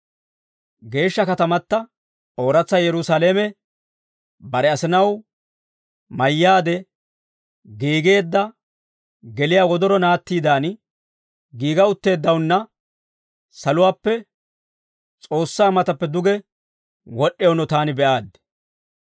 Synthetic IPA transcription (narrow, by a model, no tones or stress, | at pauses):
ɡe̞ːʃːɐkɐt̪ɐmɐt̪ːɐ | ʔo̞ːɾɐt͡sːɐjɛɾʊsaleːmɛ | bɐɾɛɐsɪnɐw | mɐjːaːd̪ɛ | ɡiːɡe̞ːd̪ːɐ | ɡɛlɪjaːwɔd̪ɔɾɔnaːt̪ːiːd̪aːn | ɡiːɡɐʊt̪ːe̞ːd̪ːɐwnːɐ | sɐlʊwaːpːɛ | t͡sʼo̞ːsːaːmɐt̪ɐpːɛd̪ʊɡɛ | wɔɗːɛjɔnɔt̪aːnɪbɛʔaːd̪